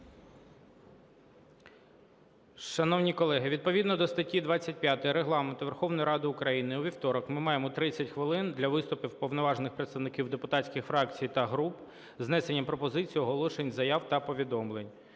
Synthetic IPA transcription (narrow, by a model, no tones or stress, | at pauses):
ʃɐnɔwnʲikɔlˠɛɦɪʋʲid̪̚pɔʋʲid̪nɔd̪ɔst̪ɐtʲid̪ʋɑt͡sʲːɐt̚ʲpjat̪ɐjiɾeɦlˠɑment̪ʊʋerxɔʋnɔjiɾɑd̪ɪʊkɾɐjinɪuʋʲiwt̪ɔɾɔkmɪmɑjemɔt̪ɾɪt͡sʲːɐtʲxʋɪlˠɪnd̪lʲɐʋɪst̪ʊpiwpɔwnɔʋɑʒenɪxpɾet̪st̪ɐwnɪkʲiwd̪epʊt̪ɑtʲsʲkʲɪxfɾɑkt͡sʲijt̪ɐɦɾup | znɛsenʲːɐpɾɔpɔzɪt͡sʲijiɦɔlˠɔʃenʲzɐjɑwt̪ɐpɔʋʲid̪ɔmlˠenʲ